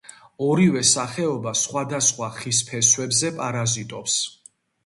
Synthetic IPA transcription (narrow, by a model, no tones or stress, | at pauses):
ɔɾivɛsaχɛɔbasχwad̪asχwaχispʰɛswɛbzɛpʼaɾazit̪ʼɔps